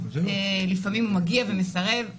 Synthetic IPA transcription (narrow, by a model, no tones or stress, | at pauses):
elifamimumaɡiave̞me̞saʁe̞v